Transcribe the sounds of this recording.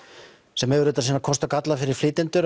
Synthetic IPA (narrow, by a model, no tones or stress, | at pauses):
sɛmːœɣɾʏːt̪asiːnakʰɔst̪akat̪lafɪɾɪɾ̥fliːt̪ɪnt̪ʏɾ